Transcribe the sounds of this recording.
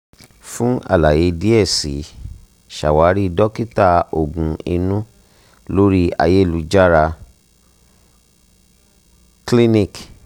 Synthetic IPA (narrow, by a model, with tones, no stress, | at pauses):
fũ˦a̰˦˨la˨je˨˦di˦ɛ˦˨si˨˦ | ʃa̰˨wa˨˦ɾi˦˧dɔ˦ki˦ta˦˧o˨ɡũ˨˧i˧nũ˦ | lo˦ɾi˦a̰˧je˦˨lu˧˦d͡ʒa˦ɾa˧ | kli˦nĩ˦˨k